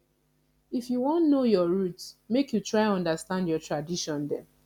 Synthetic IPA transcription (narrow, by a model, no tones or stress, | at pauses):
ifjuwɔ̃ntnojɔɹutsmekjutɹaɪ̃nɔ̃ndastãndjɔtɹadiʃɔ̃ndɛ̃n